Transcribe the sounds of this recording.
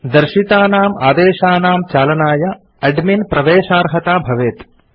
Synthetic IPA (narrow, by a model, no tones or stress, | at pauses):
d̪ɐɾʃit̪aːnaːmaːd̪eːʃaːnaːmt͡ʃaːlɐnaːjɐ | ɐɖminpɾɐʋeːʃaːɾɦɐt̪aːbʱɐʋeːt̪